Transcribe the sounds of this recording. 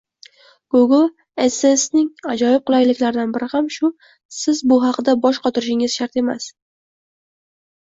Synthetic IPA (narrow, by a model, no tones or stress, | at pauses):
ɡ̥oɡlˠ | esesnɪŋad͡ʒɒjɪp̚qʊlajlɪkʲlaɾɪd̪anbɪɾɪhamʃʊ | sɪzbʊɦɑqd̪abɒʃqʰɒt̪ʰɪɾɪʃɪŋɪz̥ʃaɾt̪e̞ma̰s